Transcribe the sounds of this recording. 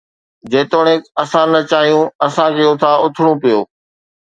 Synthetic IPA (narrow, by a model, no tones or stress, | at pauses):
d͡ʑeːt̪oːɽ̃ẽɐsãnɐt͡ɕaːɦijũɐsãkʰeːʊt̪ʰaʊt̪ʰɪɽ̃ũpijoː